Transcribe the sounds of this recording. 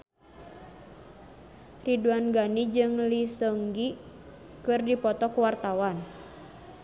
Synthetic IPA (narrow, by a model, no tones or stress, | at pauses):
riduanɡanid͡ʒɨŋlisɔŋɡi | kɨrdipɔt̪ɔkuwart̪awan